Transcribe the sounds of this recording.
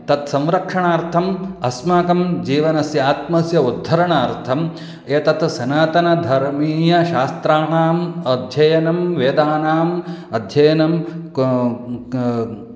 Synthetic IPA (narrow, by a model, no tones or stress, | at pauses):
t̪ɐt̪sɐ̃mɾɐkʂɐɳaːɾt̪ʰɐmɐsmaːkɐmd͡ʒiːʋɐnɐsjaːt̪̚mɐsjɐud̪ʱːɐɾɐɳaːɾt̪ʰɐm | eːt̪ɐt̪sɐnaːt̪ɐnɐd̪ʱɐɾmiːjɐʃaːst̪ɾaːɳaːmɐd̪ʱjɐjɐnɐmʋeːd̪aːnaːmɐd̪ʱjɐjɐnɐm